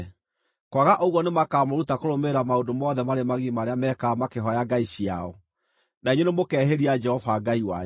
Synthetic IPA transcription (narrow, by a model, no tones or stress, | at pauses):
kwaɣaʔoɣwɔnemakaːmoɾutakoɾomeɾamaodomɔðɛmaɾemaɣimaɾeamɛkamakeɦɔjaɡaiɕia̰ɔ | naiɲenemokɛɦeɾiad͡ʒɛhɔvaɡaiwa